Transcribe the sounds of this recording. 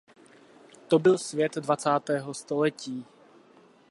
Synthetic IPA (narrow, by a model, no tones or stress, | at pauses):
t̪obɪlsvjɛt̪dvat͡saːt̪ɛːɦo̞st̪olɛciː